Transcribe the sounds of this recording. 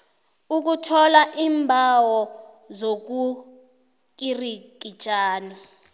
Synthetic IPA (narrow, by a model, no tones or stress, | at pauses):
uk̬utʰɔlaʔiːmbʱawɔ | zok̬u | k̬irik̬id̥t͡ʃʼaːni